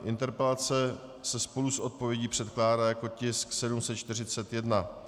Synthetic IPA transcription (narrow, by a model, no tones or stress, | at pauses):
ʔɪnt̪ɛɾpɛlat͡sɛsɛspo̞lusʔo̞t̪̚po̞vjɛɟiːpr̝̥ɛt̪klaːdaːjako̞cɪsksɛdumsɛt̪̚t͡ʃt̪ɪr̝ɪt͡sɛt̪jɛdna